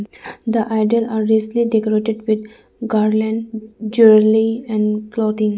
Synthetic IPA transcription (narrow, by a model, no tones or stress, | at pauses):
d̪əʔaɪɖəlaːɾːisliɖekoɾeʈeɖʋɪd̪ | ɡaːɾlə̃ɳɖd͡ʒuɾliɛ̃ɳklɔːt̪ɪ̃ŋ